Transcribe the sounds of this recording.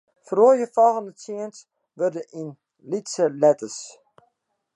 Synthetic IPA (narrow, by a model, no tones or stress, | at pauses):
froəjəfɔlˠɣəndət͡siəns | ʋørdəʔin | litsəlɛtəs